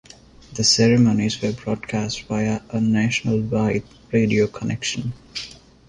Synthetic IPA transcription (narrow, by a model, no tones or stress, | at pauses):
d̪əsɛɾɪmõːnizʋəbɾɔːɖkʰæsʈbaɪəʔənæʃənəlʋaɪt | ɾeːɖioːkʰənʔɛkʃə̃n